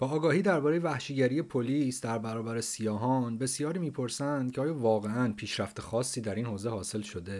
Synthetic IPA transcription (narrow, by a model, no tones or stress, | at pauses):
b̥ɒːɡɒːhiːd̪æɾbɒːɾejevæhʃiɟæɾije̞pʰoliːsd̪æɾbæɾɒːbæɾesijɒːɦɒnbe̞sjɒːɾiːmiːpʰo̞ɾsænd̪̥̚cʰeɒːjɒːvɒːɣe̞ænpʰiːʃɾæft̪exɒːsːiːd̪æɾiːnhoːze̞hɒːse̞lʃod̪e̞